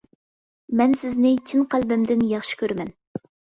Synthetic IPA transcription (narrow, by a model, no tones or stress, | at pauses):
mɛnsɪznɪt͡ʃʰinqælbɪmd̪ɪnjɑχʃi̥kʲʰøɾmɛn